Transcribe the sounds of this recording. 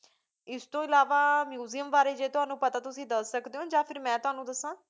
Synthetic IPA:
ɪst̪õːɪlaːʋaːmjuːzijəmʋaːɾeːd͡ʒeːt̪ʊɦaːnũːpət̪aːt̪ʊsĩːd̪əsːəkd̪eːɦõːd͡ʒãːpʰɪɾmɛ̃ːt̪ʊɦaːnũːd̪əsãː

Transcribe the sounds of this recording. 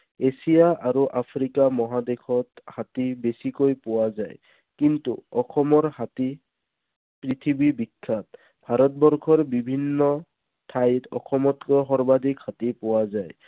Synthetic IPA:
esijaʔaɹuʔapʰɹikamɔɦadekʰɔthatibesikojpʊwazaj | kintṵɔxʰɔmɔɹhati | pɹit̪ʰibibikʰːat̚ | bʱaɾɔtbɔɹkʰɔɹbibʱinːɔ | tʰajtɔ̰xʰɔmɔtkɔjxɔɹbad̪ʱikhatipʊwazaj

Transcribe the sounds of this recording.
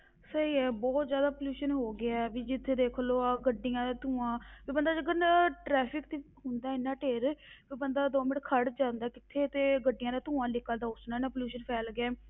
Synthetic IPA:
səiːɛːbɔːt̪zjaːd̪aːpəljuːʃənɦoːɡɪaɛːbiːd͡ʒɪt̪ʰːeːd̪eːkʰloːaɡəɖːɪjãːd̪aːt̪ũːãːpiːbənd̪aːd͡ʒəɡəɾnʈɾɛːpʰɪkt̪iː | ɦʊnd̪aːɪnːãːʈeːɾpiːbənd̪aːd̪oːmɪʈkʰəɽd͡ʒãːnd̪aːkɪt̪ʰːeːt̪eːɡəɖːɪjãːd̪aːt̪ũːãːlɪkːəld̪aːʊsnãːnaːpəljuːʃənpʰɛːlɡɛː

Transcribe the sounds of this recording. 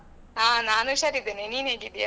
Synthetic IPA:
aːnaːnuʃaːɾid̪enenineːɡid̪eja

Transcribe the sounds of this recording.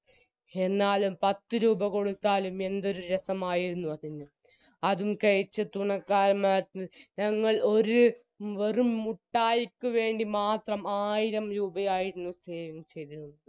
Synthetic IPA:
enːaːlumpɐt̪ːɨɾuːbɐko̞ɽut̪ːaːlume̞nd̪o̞ɾuɾesɐmaːjiɾunːuɐðinːɨ | ɐðumkɐɻit͡ɕːɨt̪uɳɐkːaːɾmaːt̪nɲɐŋːɐɭo̞ɾu | ʋerumuʈːaːjikʲːuʋe̞ːɳɖimaːt̪rɐmaːjiɾɐmɾuːbɐjaːjiɾunːuseːʋɐmt͡ɕe̞jt̪iɾuɳːɐðɨ

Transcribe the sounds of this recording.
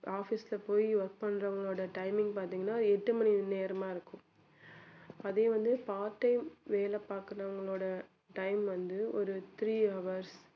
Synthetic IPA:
aːfislɐpoːjiʋɐɾk̚pɐɳːɾɐʋɐŋɡɐɭoːɽɐʈɐɪmɪ̃ŋɡ̚paːɾt̪iːŋɡɐnːaːðɯɛʈːɯmɐnineːɾɐmaːɪɾɯkːʊ̃ | ɐðɐjʊ̃ʋɐnd̪ɯpaːɾʈːɐɪmʋeːlɐpːaːkɯɾɐʋɐŋɡɐɭoːɽɐ | ʈɐɪmʋɐnd̪ɯɔɾɯt̪ɾiːɐʋɐɾs

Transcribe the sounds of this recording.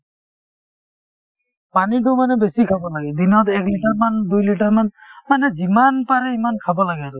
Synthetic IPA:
panit̬ʊmanɛbesikʰabɔlaɡɛd̪inɔt̪ɛkliʈaɹmandujliʈaɹmanmanɛzimanpaɹɛimankʰabɔlaɡɛaɾu

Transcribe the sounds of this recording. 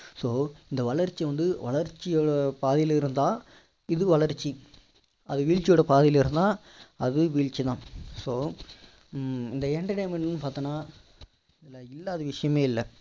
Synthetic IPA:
soːɪnd̪ɐʋɐɭɐɾt͡ʃːiʋɐnd̪ɯʋɐɭɐɾt͡ʃːɪjoːɽɐpaːðɪjlɪɾɯnd̪ãː | ɪðɯʋɐɭɐɾt͡ʃːi | ɐðɯʋiːɻt͡ʃɪjoːɽɐpaːðɪjɪlɪɾɯnd̪ãː | ɐðɯʋiːɻt͡ʃːit̪ãːsoː | ɪnd̪ɐɛɳʈɐʈeːmɛɳʈnːɯpaːɾt̪ɐnːaː | ɪðɐlɪlːaːðɐʋɪʂɐjɐmeːɪlːɐ

